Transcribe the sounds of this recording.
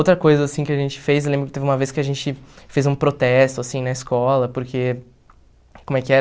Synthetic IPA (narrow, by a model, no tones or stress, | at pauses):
owt̪ɾɐkojzɐːsĩkɪaʒẽnt͡ʃɪ̥fejs̬ewlẽmbɾʊkɪt̪evɪ̃mɐveskɪaʒẽnt͡ʃɪfejzũpɾot̪ɛst̪ʊasĩnɐɪskɔlɐpoɾkʰe | komʊɛkɪɛ